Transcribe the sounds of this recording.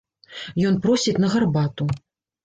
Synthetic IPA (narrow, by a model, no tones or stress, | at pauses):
jɔnpɾɔsʲitʲnɐɣarbat̪u